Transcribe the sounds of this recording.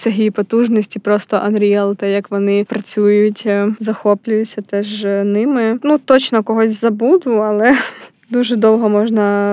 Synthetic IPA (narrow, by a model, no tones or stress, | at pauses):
sʲɐɦijipɔt̪uʒnɔsʲtʲipɾɔst̪ɔʔɐnɾʲiɛlˠt̪ɛjɐkʋɔnɪpɾɐt͡sʲujʊtʲzɐxɔplʲʊjʊt͡sʲːɐt̪ɛʒnɪmɪnut̪ɔt͡ʃnɔkɔɦɔsʲzɐbud̪ʊɐlˠɛ | d̪uʒɛd̪ɔwɦɔmɔʒnɐ